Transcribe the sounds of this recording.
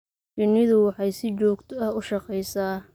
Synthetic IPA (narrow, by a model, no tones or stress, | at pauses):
t͡ʃɪnːɪðʊwɑħɑjsɪt͡ʃɔːɡt̪ʰɔɐhʊʃɑqɛjsaː